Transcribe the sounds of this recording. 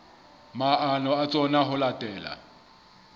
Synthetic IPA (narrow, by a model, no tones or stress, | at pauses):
maʔanɔat͡sʼɔnaɦʊlatʼɛːla̰